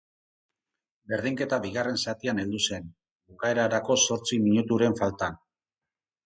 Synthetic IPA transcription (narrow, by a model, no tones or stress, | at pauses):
be̞ɾðiŋke̞t̪aβiɣare̞nsat̪iane̞ld̪use̞n | bukae̞ɾaɾako̞so̞ɾt͡simiɲut̪uɾe̞ɱfalt̪an